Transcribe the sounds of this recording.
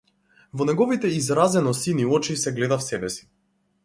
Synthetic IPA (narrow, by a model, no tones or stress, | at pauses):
vɔnɛɡɔvit̪ɛizɾazɛnɔsiniɔt͡ʃisɛɡlɛd̪afsɛbɛsi̥